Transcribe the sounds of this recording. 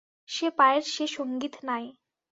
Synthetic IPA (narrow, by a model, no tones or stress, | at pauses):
ɕepaeɾɕeʃoŋɡiːt̪naj